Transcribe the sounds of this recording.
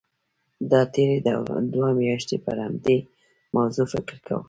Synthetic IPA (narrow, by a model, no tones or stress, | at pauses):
d̪ɑt̪eɾed̪̰d̪wamjɑʃt̪epəɾhamd̪e | mawzufɪ̰kɾkʰa̰w̰